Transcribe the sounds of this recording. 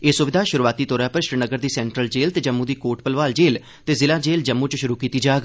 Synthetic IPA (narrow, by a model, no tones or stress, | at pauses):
eːsʊʋɪd̪ʱaːʃʊɾuʋaːt̪iːt̪ɔːɾaːpəɾʃɾinəɡəɾd̪iːsɛːɳʈɾəld͡ʒeːlt̪eːd͡ʒəmːũːd̪iːkoːʈpəlʋaːld͡ʒeːl | t̪eːzɪlaːd͡ʒeːld͡ʒəmːũːt͡ʃʃʊɾuːkiːt̪iːd͡ʒaːɡ